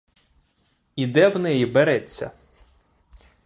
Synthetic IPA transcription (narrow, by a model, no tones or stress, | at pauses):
id̪ɛwnɛjibeɾɛt͡sʲːɐ̰